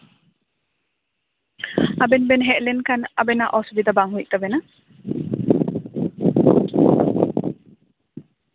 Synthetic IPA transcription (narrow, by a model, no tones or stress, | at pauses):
abɛnbɛnɦɛʔlɛnkanabɛnaʔɔsbid̪abaŋɦujʔ̚t̪abɛna